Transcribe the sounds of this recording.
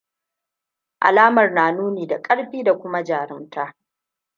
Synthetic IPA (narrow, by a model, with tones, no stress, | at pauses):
ʔa̰˨laː˦mɐ˨rnaː˨nuː˦niː˨da˨kʼɐ˦ɽɸiː˦da˨kʷʊ˦ma˦d͡ʒaː˨ɾɪ˦ntaː˦